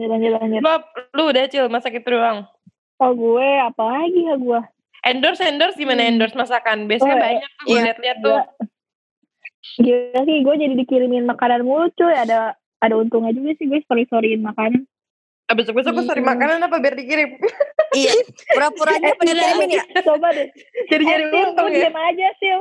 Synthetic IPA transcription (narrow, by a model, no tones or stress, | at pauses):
taɲd͡ʒat̪aɲd͡ʒaap̚ludat͡ʃɪlmasakit̪duaŋ | ɔhɡuɛapalaɡihaɡua | ʔɛndɔrsɛndɔrsɡimanaɛndɔrsmasakanbiasakabaɲak̚aɡuɛliat̪̚liɦat̪ːʊ | ɡiasɪɡuɛd͡ʒadidikiɾɪmɪnmakananmulʊt̪̚t͡ʃʊjadaː | daunt̪ʊŋad͡ʒuɡasɪhɡuɛsə̥pəɾlisoɾiɪnmakanan | abət̪ʊk̚bias̬akusoɾimakananapabirdikiɾɪmijapuɾapuɾaapaaaminɪt͡ʃobadɛd͡ʒaɾid͡ʒaɾiunʊiimad͡ʒasɪ